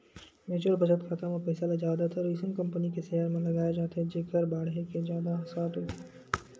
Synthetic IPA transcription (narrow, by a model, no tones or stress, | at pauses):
meːt͡ʃəɾbɐd͡ʒət̪kʰat̪amɐ̃pɛːsalad͡ʒaːd̪at̪ʰɐɾiːsənkɐ̃mpənikeseːəɾmẽlɐɡaːjed͡ʒaːt̪aɦɛd͡ʒekəɾbaːɽɦekezjaːd̪asaːt̪ɦoːt̪e